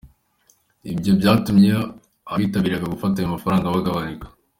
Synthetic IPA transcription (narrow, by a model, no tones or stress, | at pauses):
ibjo̞bjaːtumɲe | aiːtaβiːɾaɡaɡufat̬ajumafaɾaːŋɡaβaɡaβanikḁ